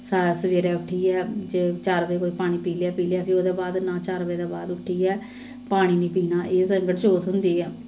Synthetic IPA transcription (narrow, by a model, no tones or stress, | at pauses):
saːsəʋeːɾɛːʊʈʰːiːɛːd͡ʒeːt͡ʃaːɾʋeːkoːiːpaːɽ̃iːpiːljaːpiːlɪjaːpʰɪɾoːd̪eːbaːd̪nãːt͡ʃaːɾʋəːd̪aːbaːd̪ʊʈʰːiːɛː | paːɽ̃iːniːpiːnaːʔeːsəŋɡəʈt͡ʃoːt̪ɦʊnd̪iːɛː